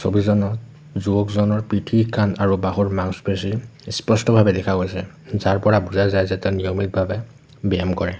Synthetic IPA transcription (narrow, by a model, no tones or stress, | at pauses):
so̰bizɔnɔt | zuɔkzɔnɔɹpɹitʰikanaɹubaɦuɹmaŋsbesiɹspɔstɔbʱabɛdɛkʰaɡojsɛ | zaɹpɔɹabuzajzajzɛtɛnijomit̚bʱabɛ | bɛamkɔɹɛ